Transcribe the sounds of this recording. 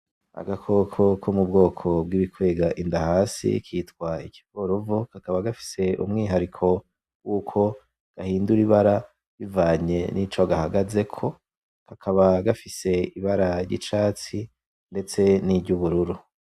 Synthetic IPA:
a̰ɡakʰo̞kʰo̞kʰomub̚ɡo̞ːkʰo̞b̚ɡiβikwe̞ːɡaʔindahaːsḭkʰiːtɡwaiki̥ko̞ɾovokakaβaɡafi̥se̞ʔṵmŋiːɦaɾikʰo̞ | wuːkʰo̞ | ɡ̥ahiːnduɾiβaɾa | βivaːɲe̞nʔit͡ʃoɡahaɡaze̞kʰo̞ | kʰakʰaβaɡafise̞iβaɾaɾɟḭt͡ʃaːt͡si | nde̞t͡se̞nibɟuβuɾuɾu

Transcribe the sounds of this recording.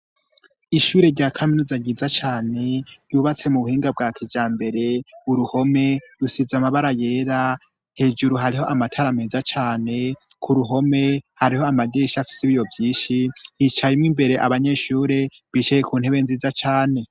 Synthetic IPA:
iʃuːɾe̞ɾɟaːkʰaminuzaɡiːzat͡ʃaːne̞juβat͡se̞muβuhiːŋɡab̚ɡaːkivd͡ʒaːmbe̞ɾe̞uɾuho̞me̞ɾusizamaβaɾaje̞ːɾa | he̞ːd͡ʒuɾuɦaɾiɦo̞ʔamatʰaɾameːzat͡ʃaːne̞ | kʰuɾuɦo̞me̞haɾiho̞amaɟeʃafi̥seβijo̞vjiːʃijit͡ʃajimŋimbe̞ɾe̞ʔaβaɲe̞ʃuːɾe̞ | βiːt͡ʃajekuːn̥he̞βe̞nziːzat͡ʃaːne̞

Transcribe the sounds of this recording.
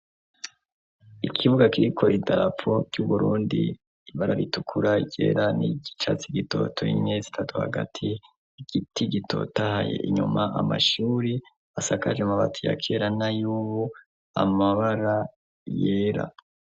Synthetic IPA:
ikʰiβuɡakiɾikʰo̞idaɾap͡fo̞ɾɟuβuɾuːndḭː | βaɾaɾitukʰuɾaiɟe̞̰ːɾaniɟit͡ʃa̰t͡siɡito̞̰tʰoimɲezitʰatuha̰ɡa̰tʰi | iɡ̥itʰiɡitʰo̞̰tahajḛʔiɲumaama̰ʃuːɾi | asakad͡ʒemaβa̰tʰuja̰kʰe̞ɾanajuːβu | a̰maβaɾa | jeːɾa̰

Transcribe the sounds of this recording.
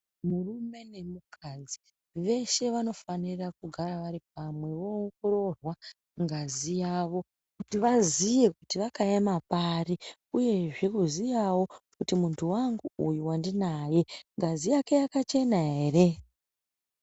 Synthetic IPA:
murume̞ne̞mukʰad͡zi | ʋe̞ʃe̞ʋano̞fanirakuɡʱaɾaʋaɾip̚amwe̞ʋo̞ŋɡoɾo̞rwa | ŋɡazijaːʋo̞ | kutiʋazije̞kutiʋakajamapari | uje̞ʐikuzijawo̞kutimuntʰuwaŋɡuujuwandinaje̞ŋɡazijake̞jakat͡ʃe̞naɦere

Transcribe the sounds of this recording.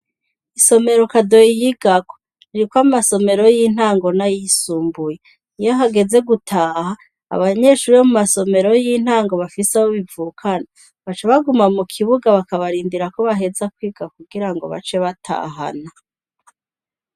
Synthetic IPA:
iso̞me̞ɾo̞kado̞jijiɡ̥ako̥ | iɾikwamaso̞me̞ɾo̞jin̥haːŋɡo̞najisuːmbuje | ijoɦaɡe̞ze̞ɡutʰaːha̰ː | βaɲe̞ʃuːɾiomumaso̞me̞ɾo̞jin̥haːŋɡo̞βafisaβoβivuːkʰana | βat͡ʃeβaɡumamukʰiβuɡaβakaβaɾiːndiɾako̞βaɦe̞zakwiːɡ̥akuɡiɾaŋɡo̞̰βa̰t͡ʃe̞βatʰa̰ːɦa̰na

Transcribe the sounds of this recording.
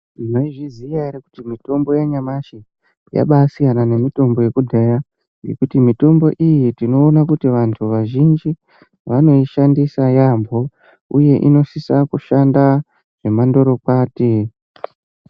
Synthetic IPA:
inoiʐizijaeɾeku̥timito̞mbo̞jaɲamaʃe | ja̰ɓasijanane̞mito̞mbo̞je̞kudʱeja | je̞̰kutimito̞mbo̞ʔijitino̞ːnakutiʋantʰuʋaʒind͡ʒi | ʋano̞iʃandisajambʱo̞ | uje̞ʔḭno̞sisakuʃanda | ʐ̥e̞mando̞ɾo̞kwaːti

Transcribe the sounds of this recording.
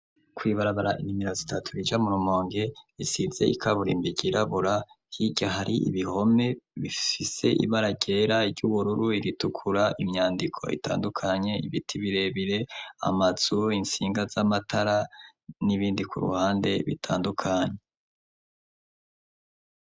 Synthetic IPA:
kwiːβaɾaβaɾaʔinimiɾozitatʰuɾid͡ʒamuɾumo̞ːŋɡeisize̞̰ʔḭkʰaβuɾḭːmbiɟiɾaβuɾa | hiɟaɦaɾiʔḭβiho̞me̞βifise̞̰ʔḭβaɾaɟe̞ɾaiɾɟuβuɾuɾuiɾitukʰuɾaʔimɲaːndikʰo̞̰ḭta̰ːndukʰaɲe̞ḭβitʰiβiɾe̞βiɾe̞a̰maz̥uinsiːŋɡazamatʰaɾa | niβiːndikʰuɾṵhaːnde̞βḭtʰa̰ːndukʰaɲe

